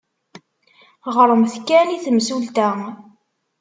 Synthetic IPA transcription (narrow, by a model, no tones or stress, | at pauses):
ʁɾˤəmθkːæniθəmsult̪æ